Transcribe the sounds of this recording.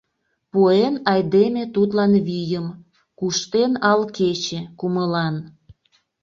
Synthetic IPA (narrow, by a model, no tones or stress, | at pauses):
puenɑjd̪emet̪ut̪lɑnβijəm | kuʃt̪enɑlket͡ɕekuməlɑn